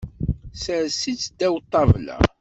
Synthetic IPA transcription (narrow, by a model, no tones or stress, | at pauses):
səɾsit͡sːd̪æwt̪ˤːɑvlæ̰